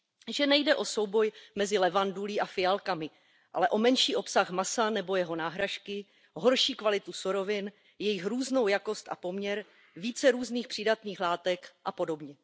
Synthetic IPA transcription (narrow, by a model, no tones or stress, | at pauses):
ʒɛnɛjdɛʔo̞so̞wbo̞jmɛzɪlɛvanduliʔafɪalkamɪ | ʔa̰lɛʔo̞mɛnʃiːʔo̞psaxmasanɛbo̞jɛɦo̞naːɦɾaʃkɪ | ɦo̞ɾʃiːkvalɪt̪usuɾo̞vɪn | jɛjɪxɾuːzno̞wjako̞st̪ʔa̰po̞mɲɛɾ | viːt͡sɛɾuːzniːxpr̥ɪdat̪niːxlaːt̪ɛkʔapo̞do̞bɲɛ